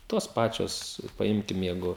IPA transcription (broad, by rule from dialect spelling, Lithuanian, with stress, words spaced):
ˈtoːs ˈpɑːt͡ʃʲoːs pɐˈɪmʲkʲɪm ˈjɛɪɡʊ